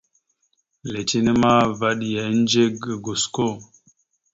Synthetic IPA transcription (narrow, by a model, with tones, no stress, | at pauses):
le˨ti˦ne˦ma˦va˦ɗi˨ja˨˦n˦d͡ʒe˦ɡə˨ɡo˨sko˦˨